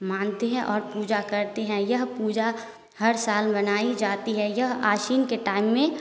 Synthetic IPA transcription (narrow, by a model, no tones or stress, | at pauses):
mãːnt̪eɦɛ̃ʔɔːɾpuːd͡ʒakəɾt̪eɦɛ̃jəɦpuːd͡ʒa | hɐɾsaːlbənaːid͡ʒaːt̪iɦɛjɐɦaːʃiːnkeʈaːɪmːẽ